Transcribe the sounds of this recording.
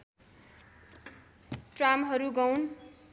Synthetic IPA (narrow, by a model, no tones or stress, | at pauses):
ʈramɦʌɾuɡʌwn